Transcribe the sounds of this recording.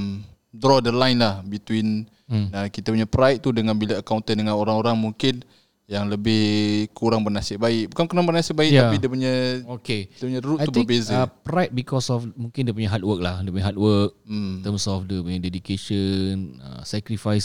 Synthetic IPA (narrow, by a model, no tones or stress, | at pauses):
m | dɾɔdəlajnlahbit̪win | əkit̪apuɲapɾajt̪̚t̪udəŋanbilaːkawnt̪ədəŋanoɾaŋoɾaŋmuŋkɪn | jaŋləbɪhkuɾaŋbərnasɪʔbaɪʔbukankuɾaŋbərnasɪʔ̚baikjaidiəpuɲaokeidəpuɲãɾut̪aub̪əbezapɾajt̪̚bikɔsɔfmũŋkɪndiəp̬uɲaɦat̪̚wək̚lahdipuɲaɦat̚wək̚t̪əmsɔfdəpuɲadedikeʃənə̰sɛkɾifajs